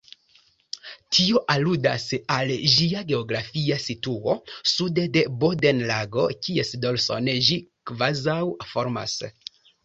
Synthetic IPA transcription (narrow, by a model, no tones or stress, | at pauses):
tʰio̞ʔaluda̰salʒiaɡe̞oɡɾafiasituo̞sudede̞bo̞denlaɡo̞kie̞sdo̞lso̞̰nʒikvazawfo̞ɾma̰s